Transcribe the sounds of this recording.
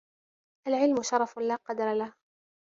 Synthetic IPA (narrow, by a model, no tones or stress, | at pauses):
ʔalʕɪlmʊʃɑɾˤɑflaːqɑd̪ɾˤɑlah